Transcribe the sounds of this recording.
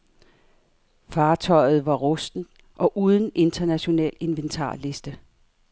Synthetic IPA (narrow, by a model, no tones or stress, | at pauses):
fɑ̈ːt͡sʰɒ̽ɪ̰ð̞̩ˠʋɑ̈ʁɔsd̥n̩ | ʔɒ̽ʔuːð̞ˠn̩e̝nd̥ɐnæɕo̝nɛ̰ːle̝nʋent͡sʰɑ̰̈ːle̝sd̥ə